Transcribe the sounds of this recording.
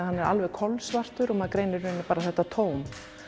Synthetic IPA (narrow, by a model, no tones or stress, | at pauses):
hanːɛɾa̰lvɛðkʰɔlsvar̥t̪ʏɾɔmaðkɾeːjnɪɾːʏːnːʏpaːɾaθɛht̪ːat̪ʰoːwm